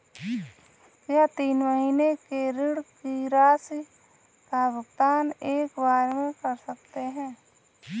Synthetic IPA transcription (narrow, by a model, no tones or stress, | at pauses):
kjat̪iːnməɦiːnekeɾɪɽkiɾaːsi | kaʋəɡd̪aːneːkbaːɾemẽkəɾsək̚t̪eɦɛ̃ː